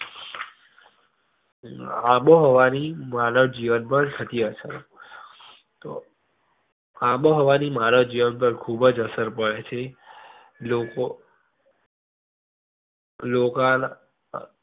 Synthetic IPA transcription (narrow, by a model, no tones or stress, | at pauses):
aɓoɦoʋanimaɾəd͡ʒiʋənpəɳt̪ʰət̪iəsəɾ | t̪o | ãɓoɦoʋanimaɾəd͡ʒiʋənp̬əɾkʰubəd͡ʒəsəɾpəɭet͡ʃʰe | loko | lokan